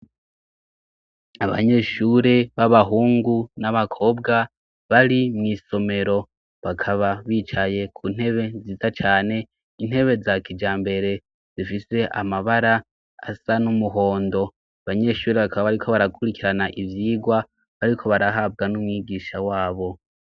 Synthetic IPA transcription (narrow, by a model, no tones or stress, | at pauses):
aβa̰ɲe̞ːʃuɾe̞βaβaɦuːŋɡunaβakʰo̞ːbɡa | βaɾimŋiːso̞me̞ɾo̞ | βakʰaβaβiːt͡ʃaje̞kʰun̥he̞βe̞ziːzat͡ʃaːne̞ | in̥he̞βe̞zakid͡ʒaːmbe̞ɾe̞ | z̥ifise̞ʔa̰maβaɾa | a̰sanumuɦo̞ːndo̞ | aβaɲe̞ʃuːɾe̞βakʰaβaβaɾikʰo̞βaɾakʰuɾikiɾanaʔivjiːɡwa | βaɾikʰo̞βaɾaɦaːb̚ɡanumŋiːɡiːʃawaːβo̞